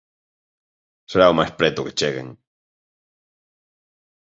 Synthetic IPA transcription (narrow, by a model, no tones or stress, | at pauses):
seɾaomajspɾɛt̪ʊke̥t͡ʃeɣḛŋ